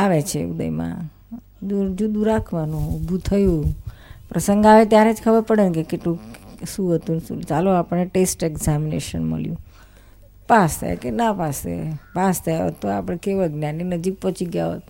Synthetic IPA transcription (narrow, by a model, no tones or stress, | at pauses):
aʋet͡ʃʰeud̪ə̰imã̰ | ud͡ʒud̪uɾakʰʋanũubʱut̪ʰəjũpɾəsəŋɡaʋet̪jaɾed͡ʒkʰəbəɾpəɽenkekeʈlũʃũɦət̪usṵ̃t͡ʃaloapəɽneʈesʈeɡzaminḛʃənmə̰ljṵ̃ | past̪ʰa̰jḛkenapasḛpast̪ʰajə̰t̪oa̰pəɳekeʋəɡnjaninəd͡ʒik̚pɔt͡ʃʰiɡja̰ɦə̰t̪